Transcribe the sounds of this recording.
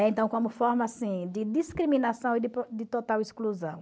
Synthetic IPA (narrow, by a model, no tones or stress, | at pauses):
ɛẽnt̪ɐ̃w̃kõmʊfɔɾmɐsĩd͡ʒ̪ɪd̪iskɾimĩnasɐ̃w̃ɪd̪ɪpd̪ɪt̪ot̪awɪskluzɐ̰̃w̃